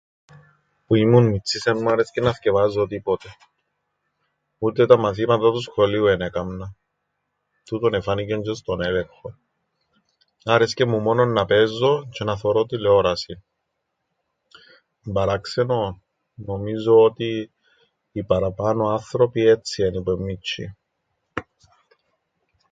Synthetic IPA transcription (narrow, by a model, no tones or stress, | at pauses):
puimunmit͡sːisenmuaɾescenɐθce̞vɐzːot̪ipot̪e̞ | ut̪et̪ɐmɐθimɐt̪at̪usxo̞liuenekɐmnɐ | t̪ut̪onefɐnicend͡ʒost̪onelexo | aɾe̞scemːumononːɐpezːo̞cʰenɐθoɾot̪ileoɾɐsin | mbɐɾakse̞no | no̞mizoot̪iː | pɐɾɐpɐnoɐnθɾo̞piet̪sienipemːit͡ʃːḭ